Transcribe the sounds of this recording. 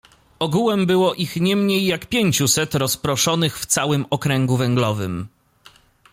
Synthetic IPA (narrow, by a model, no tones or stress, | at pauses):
ɔɡuwɛmbɘwɔʔixɲɛmɲejːakpʲjeɲt͡ɕusɛt̪ɾɔspɾɔʂɔnɘxft̪sawɘmɔkɾɛŋɡuvɛŋɡlɔvɘ̰m